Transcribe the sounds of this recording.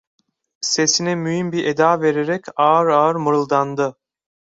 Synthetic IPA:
se̞sinɛmyɦimbiɾʔed̪aːve̞ɾeɾɛcaːɯɾaːɯɾmɯɾɯlˠd̪and̪ɯ

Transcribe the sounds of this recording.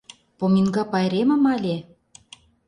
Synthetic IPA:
pominɡɑpɑjɾemə̆mɑlʲe

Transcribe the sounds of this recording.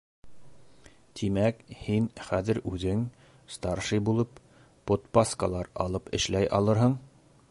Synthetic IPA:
t̪ʰimækhinχæðɘ̆ɾʉðɘŋ | st̪ɑɾʃɤjbulˠɤpː | ot̪paskəlˠɑɾɑlˠɤpɘ̆ʃlæjʔɑ̰lˠɤɾɦɤɴ

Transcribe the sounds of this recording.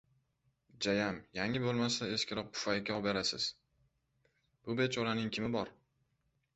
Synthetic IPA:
d͡ʒajamjaŋɪbolˠmasae̞ʃkʲʰɪɾɒq̚pʰʊ̥fajkʲɒbeɾasɪz̥ | b̥ʊbe̞t͡ʃʰɒɾanɪŋkʲʰɪmɪbɒɾ

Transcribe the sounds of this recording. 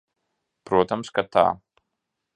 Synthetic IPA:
pɾuɔt̪amskat̪a̰ː

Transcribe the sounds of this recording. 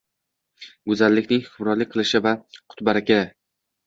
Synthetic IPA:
ɡʊzalːɪkʲnɪŋhʊkʲʰʊmɾɒlːɪk̚ʲqʰɨlˠɪʃɪvaqʰʊ̥t̪baɾakʲa

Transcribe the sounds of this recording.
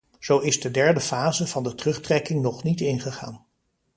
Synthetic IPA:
z̥owɪzdədɛɹdəfaːzəv̥ɑndətrɵχtrɛkɪŋnɔχnitɪnχəχaːn

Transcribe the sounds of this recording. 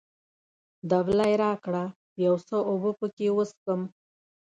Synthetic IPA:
d̪ablajɾɑkɽa | jawsəobəpəkewəskəm

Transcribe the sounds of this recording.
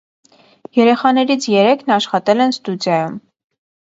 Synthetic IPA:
jɛɾɛχɑnɛɾit͡sʰjɛɾɛkʰnɑʃχɑt̪ɛlɛnst̪udjɑjum

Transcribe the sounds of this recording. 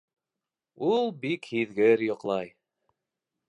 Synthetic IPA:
ulˠbikhiðɡɘɾjŏqlˠɑj

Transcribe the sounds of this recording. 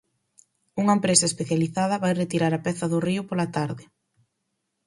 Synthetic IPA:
uŋɐempɾesɐespeθjaliθaðɐβajret̪iɾaɾɐpɛθɐðʊriʊpolɐt̪aɾðɪ

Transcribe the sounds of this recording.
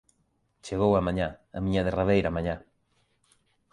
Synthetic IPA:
t͡ʃeɣowamãɲãɐ̰mĩɲaðeraβejɾamãɲã

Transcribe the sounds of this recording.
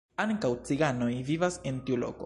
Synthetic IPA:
aŋkawt͡siɡano̞jvivase̞ntiulo̞̰ko

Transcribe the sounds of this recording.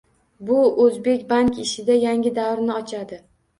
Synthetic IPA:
bʊɵzbe̞kʲbaŋkʲɪʃɪd̪ajaŋʲɪd̪avɾnɪɒt͡ʃʰad̪ɪ

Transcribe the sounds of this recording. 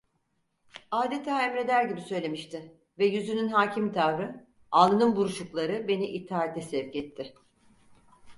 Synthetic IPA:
aːd̪e̞t̪ʰaːɛmɾed̪æɾɟibisø̞jlʲe̞miʃt̪ʰɪ | vɛjyzynynɦaːcʰimt̪ʰavɾɯ | alˠɯnɯnbuɾuʃuklˠaɾɯbe̞niʔit̪ʰːaːat̪ʰɛsɛvcɛt̪ʰːɪ

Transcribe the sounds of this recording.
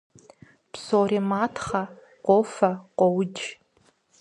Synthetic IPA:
psoːrimaːtʰχɐ | qʷʼoːfɐqʷɔwd͡ʒ

